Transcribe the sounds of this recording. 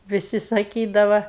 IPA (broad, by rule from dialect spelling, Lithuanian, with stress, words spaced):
ʋʲɪˈsʲɪ sɐˈkʲiːdɐʋɐ